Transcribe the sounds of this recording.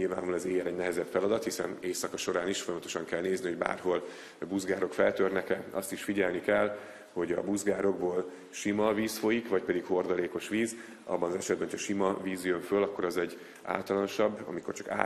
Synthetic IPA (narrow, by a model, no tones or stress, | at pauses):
ilva̰ːnulɛzeːjɛlɛɟnɛɦɛzɛpfɛlɒd̪ɒt̪hisɛ̰neːsɒkɒʃo̞ɾaːniʃfo̞jɒmɒt̪o̞ʃɒŋkɛlneːzniɦo̞ɟba̰ːrɦo̞l | buzɡaːɾo̞kfɛlt̪ørnɛkɛɒ̰st̪iʃfiɟɛlnikɛlː | ho̞ɟɒ̰buzɡaːɾo̞ɡboːl | ʃimɒviːsfo̞jikvɒc̚pɛd̪ikho̞rd̪ɒleːko̞ʃʋiːz | ɒ̰bːɒnɒzɛʃɛd̪bɛno̥cʰɒʃimɒviːzjøɱfølɒkːo̞ɾɒzɛɟː | a̰ːlt̪ɒlɒno̞ʃɒbːɒ̰miko̞̰rt͡ʃɒ̥ka̰